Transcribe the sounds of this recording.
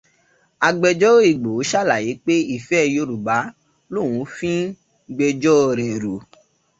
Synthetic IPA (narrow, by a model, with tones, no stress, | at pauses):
a˧ɡ͡bɛ˧d͡ʒɔ˦i˨ɡ͡bo˨˦ʃa˦˨la˨ji˨˦k͡pe˦i˦˨fɛ˦jo˧ɾu˨ba˨˦ | lo˦˨w̃ũ˨˦fĩ˦ | ɡ͡bɛ˧d͡ʒɔ˦˧˨ɾɛ˨ɾu˨